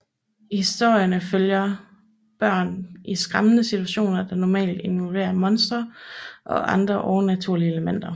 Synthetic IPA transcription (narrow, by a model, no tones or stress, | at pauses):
hisd̥o̝ɐ̰jənəføljɐ | b̥ɶɐ̰nʔisɡ̥ʁämənəsit͡sʰuæɕo̝̰ːnɐd̥ɑ̈nɒmɛ̰ːld̥e̝nʋɒlʋe̝̰ːɐmɒ̽nsd̥ʁɐʔɒ̽ʔɑ̈nd̥ʁɐʔɒʊnæt͡sʰuɐ̰lieləmen̰d̥ɐ